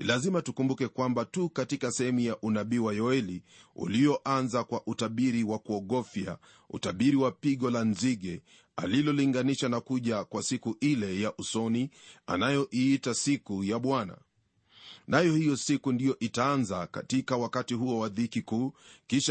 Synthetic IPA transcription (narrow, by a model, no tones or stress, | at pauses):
ilazimatukumbukɛkwambatukatikasɛɛmujaʔunaɓiwajɔɛliṵlijɔʔanzakwaʔutaɓiɾiwakuɔɠɔfja̰ | ṵtaɓiɾiwapiɠɔlanziɠɛ | a̰lilɔliŋɡaniʃanakuʄakwasikuʔilɛjaʔusɔnia̰najɔʔiːtasikujaɓwana̰ | najɔhijɔsikundijɔʔitaanzaka̰tikawakatiɦuɔwaðikikuːkiʃ